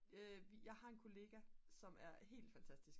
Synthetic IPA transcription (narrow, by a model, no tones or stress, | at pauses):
øʋijɑ̈ɪhɑ̈e̝nkʰo̝le̝ːɡ̥æsɒ̽mæɐɦe̝̰ːld̥fænt͡sʰæsd̥isɡ̥